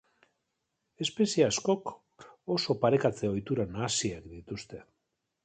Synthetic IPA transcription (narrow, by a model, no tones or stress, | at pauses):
e̞spe̞siasko̞k | o̞so̞paɾe̞kat͡seo̞jt̪uɾanaːsiakd̪it̪ust̪e̞